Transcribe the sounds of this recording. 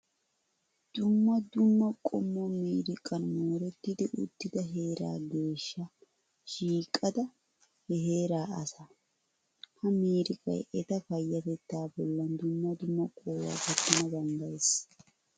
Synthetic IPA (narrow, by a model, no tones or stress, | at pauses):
d̪̥ʊmːɐd̪ʊmːɐkʼɔmːɔmiːɾɪkʼɐnmoːɾɛt̪ːɪd̪ɪʔʊ̰t̪ːɪd̪ɐɦe̞ːɾa̰ːɡe̞ːʃːɐ | ʃiːkʼːɐd̪ɐ | hɛɦe̞ːɾaːʔɐ̰sɐ | hɐmiːɾɪkʼɐ̰jɛt̪ɐfɐjːɐt̪ɛt̪ːaːbɔlːɐnd̪ʊmːɐd̪ʊmːɐkʼoːwa̰ːkɐt̪ːɐnɐbɐnd̪ɐjs